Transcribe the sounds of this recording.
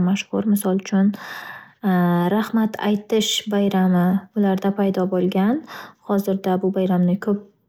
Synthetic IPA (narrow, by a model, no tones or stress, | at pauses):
maʃhʊɾmɪsɒlˠʊt͡ʃʰʊn | ɾahmat̪ʰa̰jt̪ɪʃbajɾamɪʊlaɾd̪apʰajd̪ɒbolˠɡʲanhɒzɪɾd̪abʊbajɾamnɪkʰɵp̚